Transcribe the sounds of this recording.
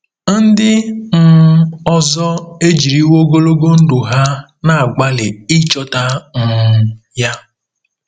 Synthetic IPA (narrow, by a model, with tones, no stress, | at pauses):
n̩˦dɪ˦m̩˦ɔ˦zɔ˦e˦d͡ʒi˨ɾi˦wo˦ɡo˦lo˦ɡo˦n̩˦du˨ɦa˦ | na˨a˨ɡ͡ba˦lɪ˨i˦t͡ʃɔ˦ta˦n̩˨ja˦